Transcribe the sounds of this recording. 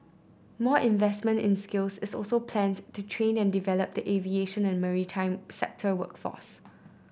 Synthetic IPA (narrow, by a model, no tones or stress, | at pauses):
mɔʔɪ̃nvɛsmə̃ntɪ̃nskɪlsɪsɔlsopʰlɛ̃ntutʰɹẽnɛ̃ndivɛləp̚diʔevieʃə̃nɛ̃nmɛɹitʰãɪ̃msɛ̰k̚tʰəwə̰kfɔ̰s